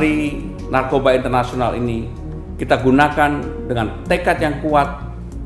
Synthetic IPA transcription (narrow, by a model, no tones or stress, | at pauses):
ɾi | narkobaint̪ərnasionalḭni | kit̪aɡunakandəŋant̪ekat̪̚jaŋkuat̪̚